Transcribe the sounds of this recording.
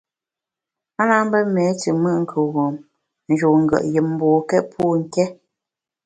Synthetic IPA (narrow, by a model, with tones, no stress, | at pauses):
a˦na˦m˦bə˦mɛ˨˦tə˨mə˦ʔŋ̩˦˨kʰə˨ɣɔ˨m | n̩˨d͡ʒo˨ŋ̩˨ɡə̰˨ʔjə˨m̩˦bɔː˨kɛ˦t̚pʰu˦˨ŋ̩˨kɛ˦